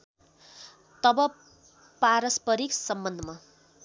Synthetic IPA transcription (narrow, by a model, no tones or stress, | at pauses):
t̪ʌbʌ | paɾʌspʌɾiksʌmbʌnd̪ʱʌma